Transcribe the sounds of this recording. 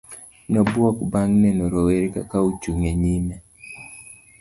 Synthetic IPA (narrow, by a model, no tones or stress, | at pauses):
nɔbwɔkbaŋnɛnoɾoweɾeka̰kaut͡ʃuŋeɲimɛ